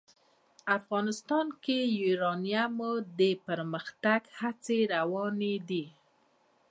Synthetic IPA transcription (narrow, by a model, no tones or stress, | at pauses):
afɣɑnɪst̪ɑnkejiɾɑnijamod̪əpəɾməxt̪aɡhat͡seɾawɑned̪i